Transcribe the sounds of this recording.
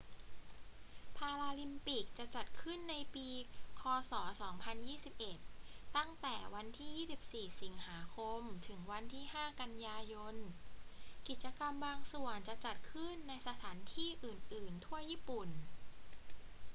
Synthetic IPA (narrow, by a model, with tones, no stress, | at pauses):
pʰaː˧ɾaː˧li˧mpi˨˩k̚t͡ɕa˨˩t͡ɕa˨˩t̪̚kʰɯ˥˩nːa˧jpiː˧kʰɔː˧sɔː˩˦sɔː˩˦ŋpʰa˧njiː˥˩si˨˩p̚ʔe˨˩t̪̚ːa˥˩ŋt̪ɛː˨˩wa˧nt̪ʰiː˥˩jiː˥˩si˨˩p̚siː˨˩si˩˦ŋhaː˩˦kʰo˧mt̪ʰɯ˩˦ŋwa˧nt̪ʰiː˥˩ɦaː˥˩ka˧njaː˧jo˧n | ki˨˩t̪̚t͡ɕa˧ka˧mbaː˧ŋsu˨˩ənt͡ɕa˨˩t͡ɕa˨˩t̪̚kʰɯ˥˩nːa˧jsa˧t̪ʰaː˩˦nt̪ʰiː˥˩ʔɯː˨˩nʔɯː˨˩nt̪ʰu˥˩ɐjiː˥˩pu˨˩n